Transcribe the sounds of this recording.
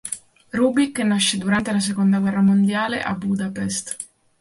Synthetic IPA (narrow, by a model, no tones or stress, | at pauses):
ruːbikːenːaʃːed̪uɾant̪elas̬ekond̪aɡwɛrːamond̪jaːlḛʔa̰bːud̪apɛst̪